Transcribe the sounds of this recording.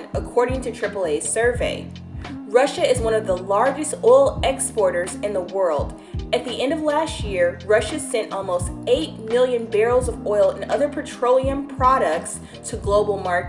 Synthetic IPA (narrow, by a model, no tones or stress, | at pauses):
nəkʰɔɹɾɪ̃ŋtʰɨtʰɹ̥ɪpl̩ˠeɪz̥sɜ˞veɪ | ɹʌʃɨɨzwʌ̃ñʌvðəlɑɹd͡ʒɨstɔɪlˠɛkspɔɹɾə˞zɨ̃nðəwɜ˞lˠd | ɨt̪̚ðiʔɛ̃ndʌvlæst̚jɪɹɹʌʃɨsɛ̃nʔɔlˠmoʊsteɪt̚mɪlˠjɨ̃nbɛɹʊzʌvɔɪlˠɨ̃nʌðə˞pʰətʰɹ̥oʊlˠiɨ̃mpʰɹ̥ɑɾɨk̚ts | tʰɨɡloʊbl̩ˠmɑɹ